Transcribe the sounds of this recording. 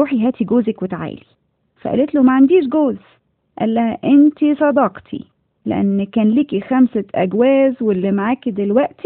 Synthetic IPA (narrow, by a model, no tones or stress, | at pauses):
uːħiɦæːt̪iɡoːzækwet̪aʕa̰ːli | fæ̰ʔæ̰let̪lomæʕand̪iːʃɡoːz | ʔæ̰lːæhæʔent̪isˤɑd̪ɑːqt̪ʰḭ | lḛʔæ̰nːkæːnliːkixæmsæʔæ̰ɡwæːzwelːimʕaːkid̪elwæʔt̪i